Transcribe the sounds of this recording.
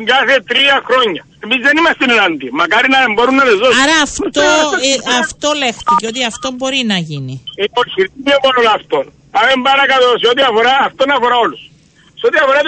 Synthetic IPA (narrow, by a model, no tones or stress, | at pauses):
ŋɡaθet̪ɾiɐxɾo̞ɲːɐ | emizðenimɐst̪enenand̪imɐkaɾinɐemboɾunːɐlezoaɾɐːft̪oɐft̪olext̪iceot̪̬iɐft̪ombo̞ɾinɐʝiniipoçiɾt̪iɲemonolɐft̪on | pamembɐɾɐkalos̬eot̪iɐfoɾaːft̪onɐfoɾaolus | seot̪iɐfoɾa